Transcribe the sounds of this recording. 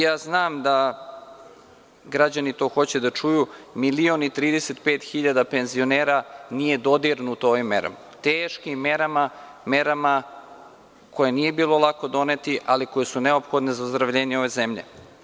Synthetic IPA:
jaːznaːmd̪a | ɡɾad͡ʑanit̪o̞ːxo̞t͡ɕed̪at͡ʃujumilionit̪ɾiːd̪e̞set̪peːt̪xiʎad̪ape̞nzio̞neːɾanije̞d̪o̞d̪iɾnut̪ooʋimːḛɾa̰mat̪eːʃkimːeɾama | meɾama | kʰo̞jenije̞biːlo̞lˠako̞d̪o̞net̪iʔaliko̞jesuneo̞pxo̞d̪nezauzd̪ɾaʋʎeːɲeo̞ʋezemʎḛ

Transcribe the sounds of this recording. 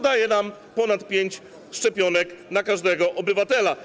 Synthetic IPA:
d̪ajɛnam | pɔnat̪pʲjeɲt͡ɕ | ʂt͡ʂɛpʲjɔnɛknakaʐd̪ɛɡɔʔɔbɘvat̪ɛla

